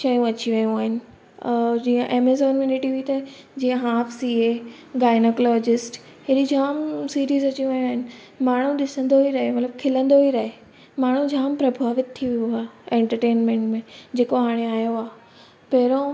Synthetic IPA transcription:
ʃɐjũɐt͡ɕiʋɐjũaːɦɪnɪ̆ | d͡ʑiːə̃ʔeːmezɔːnjunɪʈiʋiit̪ɐ | d͡ʑiːə̃ɦaːfsie | ɡaːɪnoklɔːd͡ʑɪsʈ | heɗid͡ʑʱaːmsiːɾiːzɐt͡ɕiũʋɐjũaːɦɪnɪ̆ | maːɳ̤ũɗɪsə̃nd̪oɦiɾɐɦemɐt̪ləb̚kʰɪlə̃nd̪oɦiɾɐɦe | maːɳ̤ũd͡ʑʱaːmpɾɐbʱaːʋɪt̪̚tʰːiʋijuaːẽːɳʈəɾʈeːnmẽɳʈmẽd͡ʑeːkoɦaːɽ̃eaːɦijoaː | pɐɾõ

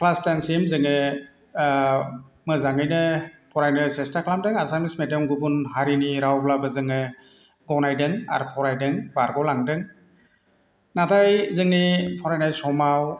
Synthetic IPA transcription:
pʰlastansimzɯŋɯ | mɯzaŋɯjnɯpʰɔɾajnɯsestakʰlamdɯŋasamismedɔmɡubunhaɾiniɾawblabɯzɯŋɯ | ɡɔwnajdɯŋa̰ɾpʰɔɾajdɯŋbaɾɡɔlaŋdɯŋ | nadajzɯŋnipʰɔɾajnajsɔmaw

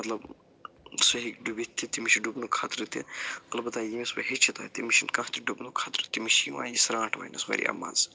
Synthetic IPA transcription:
mɐt̪lɐb | sɐɦikɖubit̪ʰʲːit̪imiʃiɖubnukʰat̪ɾɨt̪iɐtlɐbɐt̪aːjimisbɐɦit͡ʃʰit̪a̰t̪imiʃinkɐht̪iɖubnukʰat̪ɾɨt̪imiʃjiwa̰ːjisɾãːʈʰʋɐ̰nɐ̰smɐ̰ɾḭɐ̰mːa̰ːnz

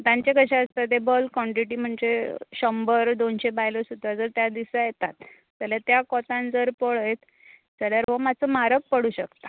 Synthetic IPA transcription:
t̪jãɲt͡ɕekəɕaəst̪at̪ebəlkɔɳʈɾiʈiːm̤əɳd͡zeɕəmbəɾd̪onɕebajlosut̪ad͡zəɾt̪jad̪isajet̪at̪ | d͡zəljat̪jakɔt̪ãnd͡zəɾpɔɭəjt̪ | d͡zəɭjaɾʋəmat͡səmaɾək̚pəɽuɕəkt̪ḁ

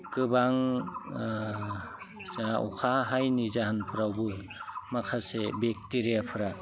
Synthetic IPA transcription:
kɯbaŋ | ṵkʰaɦajnizahanpʰɯɾawbɯl | makʰasebek̚tiɾiapʰɯɾa

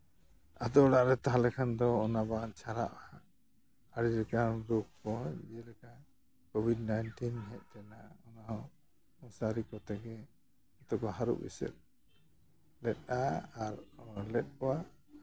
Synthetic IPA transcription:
ad̪ɔɔɽaʔɾɛt̪aɦalɛkʰand̪ɔːnabant͡ʃʰaɾa̰ʔa | aɾilɛkamɾuk̚kɔɛlɛkan | kɔbʱidnajnʈinɦɛʔ̪̚ˀt̪ɛnaɔna | ɔsaɾikɔt̪ɛɡɛ | ɔt̪ɔkɔɦaɾṵʔbḭsɛ̰t̪̚ | lɛt̪̚ˀaaɾlɛt̪̚ˀkɔwa

